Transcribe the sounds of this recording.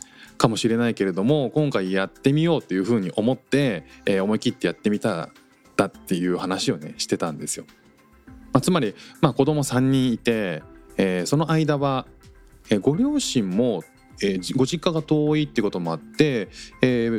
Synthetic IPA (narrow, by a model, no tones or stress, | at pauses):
kamo̞ɕiɾe̞naike̞ɾe̞d̪o̞mo̞kõ̞ŋkaijat̪ːe̞mʲijo̞ːt̪ːe̞jɯ̟ːɸɯ̟ːɲ̟iʔo̞mo̞t̪ːe̞ːo̞mo̞ikʲit̪ːe̞jat̪ːe̞mʲit̪a | d̪̥at̪ːe̞jɯ̟ːhanaɕio̞ne̞ɕi̥t̪e̞t̪ãnd̪e̞sɨjo̞ | mat͡sɨmaɾʲimako̞d̪o̞mo̞sãɲ̟ːĩɰ̃it̪e̞ː | so̞no̞ʔaid̪aβa | eːɡo̞ɾʲo̞ːɕĩmːo̞ | eɡo̞ʑikːaɡat̪o̞ːiːt̪ːeiɯ̟ko̞t̪o̞mo̞at̪ːe̞ː